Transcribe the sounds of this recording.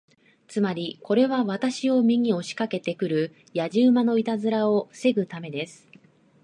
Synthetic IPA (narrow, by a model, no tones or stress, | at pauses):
t͡sɨmaɾʲiko̞ɾe̞βaβat̪aɕio̞mʲiɲ̟io̞ɕi̥kake̞t̪e̞kɯ̟ɾɯ̟ | jaʑɨːmano̞it̪azɨɾao̞se̞ɡɯ̟t̪ame̞d̪e̞sɨ̥